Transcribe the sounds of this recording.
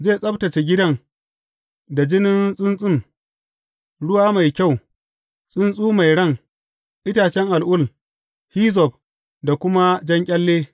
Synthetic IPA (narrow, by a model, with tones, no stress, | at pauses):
zeː˦˨sʼɐ˦btɐ˨t͡ʃe˨ɡʲɪ˦dɐ˦ŋ | da˨d͡ʒɪ˦nɪ˦nsʼɪ˦nsʼɪ˦˨ŋ | ɽʊ˦waː˦ma˨jkʲa˦˨w | sʼɪ˦nsʼuː˦ma˨jɽɐ˦ŋ | ʔɪ˦taː˨t͡ʃɛ˦ŋʔa˨lʔʊ˦˨l | hiː˦z̬ɔ˨b | da˨kʷʊ˦ma˦d͡ʒɐ˦ŋkʲʼɐ˦lːeː˦